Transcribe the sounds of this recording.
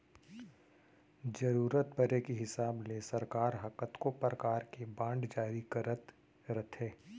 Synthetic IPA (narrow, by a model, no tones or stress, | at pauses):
d͡ʒɐɾuːɾət̪̚bɐɾekiɦɪsaːblesɐɾkaːɾɦɐkət̪kopɾəkaːɾkebãːɳɖd͡ʒaːɾikɐɾət̪ | ɾət̪ʰɦeː